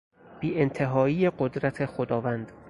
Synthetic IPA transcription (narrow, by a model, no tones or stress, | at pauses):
b̥iːent̪ʰe̞ɦɒːiːeɢod̪ɾæt̪ʰe̞xod̪ɒːvænd̪̥